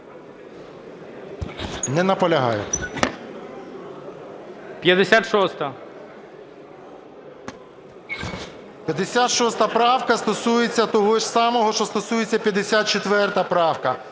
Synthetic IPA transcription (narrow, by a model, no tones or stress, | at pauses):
nɛnɐpɔlʲɐɦɑ̰jɛ̰ | pʲjɐd̪esʲat̪ʃɔst̪ɐ | pʲjɐd̪esʲat̪ʃɔst̪ɐpɾɑwkɐst̪ɔsujet͡sʲːɐt̪ɔɦɔʃsɑmɔɦɔʃt͡ʃɔst̪ɔsujet͡sʲːɐpʲjɐd̪esʲat̪̚t͡ʃet̪ʋɛrt̪ɐpɾɑwkɐ